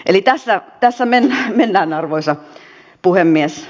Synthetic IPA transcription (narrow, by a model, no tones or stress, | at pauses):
ʔelit̪æsːæt̪æsːæmenːæmenːæːnɑrʋoisɑ | puhemːies